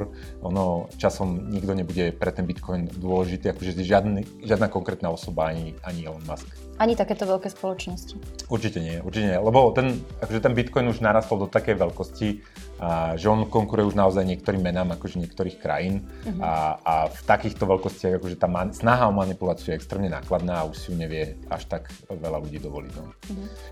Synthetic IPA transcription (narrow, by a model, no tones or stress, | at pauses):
ɾ | ʔɔnɔt͡ʃasɔmɲiɡd̪ɔɲɛbuɟɛpɾɛt̪ɛnbit̪kʰɔjnd̪ʊɔlɛʒit̪iːakɔʒɛʒɪad̪ni | ʒɪad̪nakɔŋkɾɛːt̪naːɔsɔbaaɲiaɲiɛɔnmask | ʔaɲit̪akɛːt̪ɔʋɛlkɛːspɔlɔt͡ʃnɔsci̥uɾt͡ʃicɛɲɪɛɛṵɾt͡ʃicɛɲɛɛlɛbɔt̪ɛnakɔʒɛt̪ɛnbit̪kɔjnuʒnaɾaːst̪ɔlˠd̪ɔt̪akɛjʋɛʎkɔsci | ʒɛɔnkɔŋkuɾujɛuʒnaɔzajɲɪɛk̚t̪ɔɾiːmːɛnaːmakɔʒɛɲɪɛkt̪ɔɾiːxkɾa̰jinaaft̪akiːxt̪ɔʋɛʎkɔscɪaɣakɔʒɛt̪aːmasnaɦaɔmanipulaːt͡sɪujɛɛkst̪ɾɛːmɲɛna̰ːklad̪naːauʃsijuɲɛʋɪɛa̰ʃt̪akʋɛlaluɟiːd̪ɔʋɔlḭɟnɔ̰